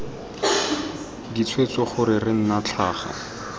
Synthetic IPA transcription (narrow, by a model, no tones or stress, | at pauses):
dit͡sʰwet͡sɔχʊɾɪrɪn̩nat͡ɬʰaːχa̰